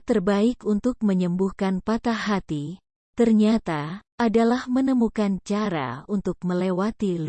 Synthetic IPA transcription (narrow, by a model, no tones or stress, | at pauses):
t̪ərbaɪkunt̪ʊk̚məɲəmbuhkanpat̪aɦat̪i | t̪ərɲat̪aadalahmənəmukant͡ʃaɾa̰unt̪ʊk̚məlewat̪il